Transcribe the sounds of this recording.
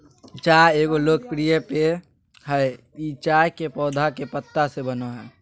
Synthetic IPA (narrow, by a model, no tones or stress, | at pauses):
t͡ʃaːjeːɡoloːkpɾijəpe | ɦɛe | it͡ʃaːjkepɔːd̪ʱakepət̪ːasebənoɦɛː